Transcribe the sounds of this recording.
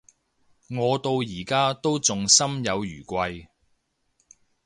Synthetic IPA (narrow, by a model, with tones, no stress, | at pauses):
ŋɔː˨˧t̪o˧wjiː˨˩kaː˥t̪o˥wt͡sʊ˨ŋsɐ˥mjɐ˨˧wjyː˨˩kʷɐ˧j